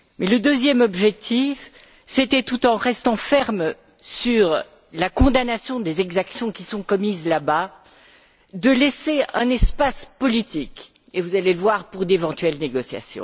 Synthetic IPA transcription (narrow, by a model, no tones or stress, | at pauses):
mɛləd̪øzjɛmɔbʒɛk̚t̪ʰif | set̪ɛt̪ut̪ɑ̃ʁɛst̪ɑ̃fɛʁm | syʁ | lakɔ̃d̪anasjɔ̃d̪ezɛɡzaksjɔ̃kʲisɔ̃kɔmizlaba | d̪əlɛseɛ̃nɛspaspɔlit̪ik | evuzaleləvwaʁpuʁd̪evɑ̃t̪ɥɛlneɡɔsja̰sjɔ̰̃